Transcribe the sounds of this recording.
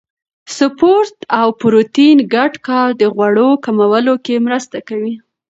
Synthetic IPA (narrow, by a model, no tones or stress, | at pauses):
sʊpoɾt̪awpɾot̪inɡaɖkɑld̪əɣwaɽokamawəlokemɾəst̪akawi